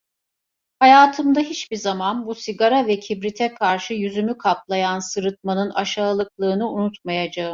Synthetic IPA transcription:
hajaːt̪ʰɯmd̪aɦit͡ʃbiɾzamanbusiɡaɾavɛcʰibɾit̪ʰɛkʰaɾʃɯjyzymykʰaplˠajansɯɾɯt̪̚manɯnaʃaːlˠɯklˠɯːnɯunut̪majad͡ʒaɯm

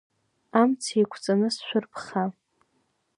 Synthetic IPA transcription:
amt͡sʰejkʷʰt͡sʼanɨsʃʷᶣʊrpʰχa

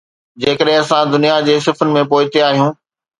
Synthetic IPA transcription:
d͡ʑeːkəɗɦɪ̃ɐsãd̪ʊnijad͡ʑeːsɪfʊnɪ̆mẽpoːɪt̪eaːɦijũː

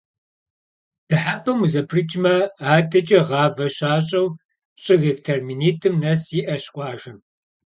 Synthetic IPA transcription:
d̥ɨħapʰɐmuzɐpʰrɨt͡ʃʼmɐaːdɐt͡ʃʼɐʁɑːvɐɕaːɕʼɐw | ɕʼɨɣektʰerminiːtʰʼɨmnɐsiʔɐɕqʷʼɑːʒɐm

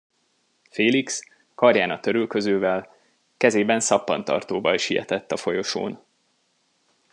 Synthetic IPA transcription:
feːliks | kɒrjaːnɒt̪ø̞ɾylkø̞zøːvɛl | kɛzeːbɛnsɒpːɒ̰nt̪ɒ̰rt̪oːbɒjʃijɛ̰t̪ɛt̪ːɒfo̞jo̞ʃo̰ːn

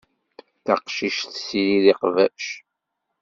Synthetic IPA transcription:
θɑqʃiʃθsiɾiðiqvæʃ

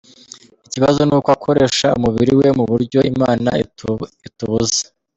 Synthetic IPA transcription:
iciβazo̞nuːkoakʰo̞ɾe̞ʃaumuβiɾiwe̞muβuɾɟo̞imaːna̰ituβuzḁ

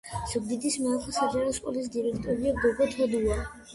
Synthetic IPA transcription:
z̥uɡ̚d̪id̪ismɛakʰɔsad͡ʒaɾɔskʼɔlis̬d̪iɾɛkʰt̪ʼɔɾiaɡɔɡɔt̪ʰɔd̪ua

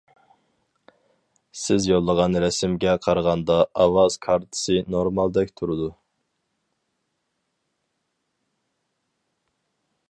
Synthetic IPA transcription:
sɪzjolˠːəʁɑnɾɛsɪmɡʲɛqʰɑɾʁɑnd̪ɑɑwɑz̥kʰɑɾt̪ʰɨ̥sɨnoɾmɑlˠd̪ɛkʲt̪ʰuɾɨd̪u

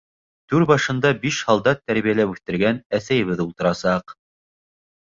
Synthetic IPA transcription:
t̪ʉɾbɑʃɤ̆nd̪ɑbiʃhɑlˠd̪ɑt̪ːæɾβijælæpʉθt̪ɘ̆ɾɡænæθæjɘ̆βɘðulˠt̪ɤ̆ɾɑsɑq

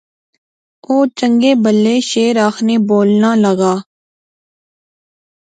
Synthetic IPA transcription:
oːt͡ʃəŋɡeːbəlːeːʃeːɾaːxʰneːboːlnaːləɡaː

